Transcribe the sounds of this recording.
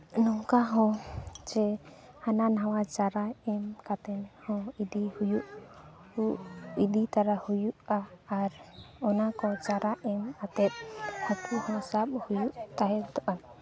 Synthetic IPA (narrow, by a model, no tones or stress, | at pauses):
nɔŋkaɦɔ̃d͡ʒɛhananawad͡ʒaɾaɛmkat̪ɛnhɔ̃id̪ihujuʔ | uʔid̪it̪aɾahujuʔaːɾɔnakɔd͡ʒaɾaʔɛmat̪ɛt̪̚hɔ̃kuhɔ̃saɓhujuʔt̪aɦɛt̪ɔʔa